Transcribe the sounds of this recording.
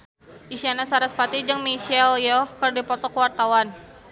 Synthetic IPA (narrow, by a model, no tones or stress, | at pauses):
ʔisianasaɾaspat̪id͡ʒəŋmiʃɛljɔhkərdipɔt̪ɔkwart̪awan